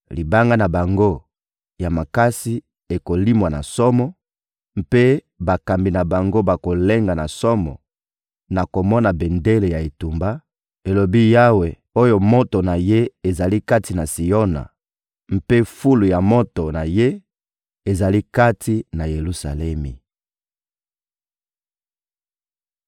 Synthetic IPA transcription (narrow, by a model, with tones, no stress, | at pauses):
li˨ba˦ŋɡa˦na˨ba˨ŋɡo˦ | ja˨ma˨ka˦si˦ | e˨ko˨li˦mwa˨na̰˨sɔ˦mɔ˦ | m̩˦pe˦ | ba˨ka˨mbi˨na˨ba˨ŋɡo˦ba˨ko˨le˦ŋɡa˨na˨sɔ˦mɔ̰˨ | na˨ko˨mɔ˦na˨be˨nde˦le˨ja˨e˨tu˨mba˦ | e˨lo˨bi˦ja˦we˨ | o˦jo˦mo˦to˨na˨je˦e˨za˨li˦ka˦ti˨na˨si˨jo˦na̰˨ | m̩˦pe˦fu˦lu˨ja˨mo˦to˨na˨je˦ | e˨za˨li˦ka˦ti˦na˨je˨lu˦sa̰˨lɛ˦mi˨